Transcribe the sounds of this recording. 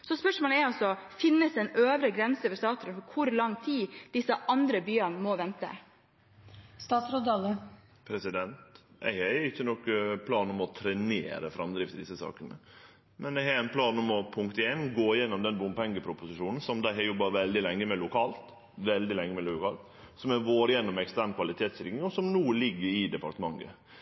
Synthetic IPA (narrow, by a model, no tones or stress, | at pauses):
sɔspœʂmoːləɛɾɑsɔfɪnːəsɛɪnøːʋɾəɡɾɛnsəʋəst̪ɑːt̪ɔɾənfɔɾkʰʊɾlɑŋt̪ʰiːd̪̥ɪsːəʔɑnd̪ɾəbyːənmɔʋɛnt̪ə̰ | st̪ɑːt̪sɾod̪ɑlə | pʰɾɛsɪd̪ɛnt̪ʔæ̰ɪhɛɛɪçːənɔkːpʰlɑːnɔmɔt̪ʰɾɛnḛːɾə̰fɾɑmd̪ɾɪft̪ɪd̪ɪsːəsɑ̰ːkənə̰ | mɛnd̪ɛɪhɑɾæɪnpʰlɑːnɔmɔpʰʊŋkt̪eːnɡoːɪjɛnːɔmd̪ɛnbʊmpɛŋɡəpʰɾʊpʊsɪʂuːnn̩sɔmd̪æɪhɛɾjɔbːɑʋɛld̪ɪlɛŋːəmɛlʊkʰɑːlt̪ | ʋɛld̪ɪlɛŋːəmɛlʊkʰɑːlt̪ | sɔmɛʋoːɾjɛnːɔmɛkst̪æɳkʰʋɑlɪt̪ʰeːt̪st̪ɪɾɪŋɪŋɔsɔmnuːlɪɡːəɾɪd̪ɛpɑɾt̪əmɑŋːə̰